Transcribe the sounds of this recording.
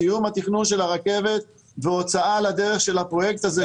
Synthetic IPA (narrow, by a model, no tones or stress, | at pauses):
ijumhat̪iχnunʃe̞laʁake̞ve̞t̪̚ | veot͡saalad̪e̞ʁeχʃe̞lhapʁo̞jek̚t̪aze